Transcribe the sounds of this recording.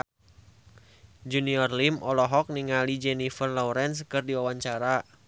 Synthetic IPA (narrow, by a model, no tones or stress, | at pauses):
d͡ʒuniɔrlimɔlɔɦɔk̚niŋalid͡ʒɛnifərlɔuɾɛnskɨrdiwawaɲt͡ʃaɾa